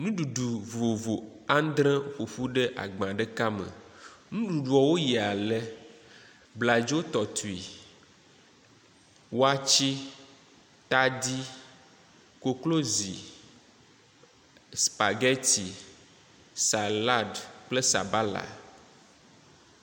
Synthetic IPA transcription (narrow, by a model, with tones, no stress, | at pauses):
nũ˦ɖu˨ɖu˨vo˨vo˨a˦n˦d̪ɾɛ̃˦ɸo˨ɸu˦ɖe˦ʔa̰˨ɡ͡bã˨ɖɛ˦ka˦mə̰˨nũ˦ɖu˨ɖu˨ɔ˨wo˦ji˨a˨lɛ˦ | bla˨d͡ʒo˦t̪ɔ˨t̪u˨i˨ | wo˦a˦t͡ʃi˦ | t̪a˦d̪i˦ | ko˨klo˦zḭ˨ | spa˨ɡɛ˦t̪i˨ | sa˨la˦dk͡ple˦sa̰˨ba˦la̰˨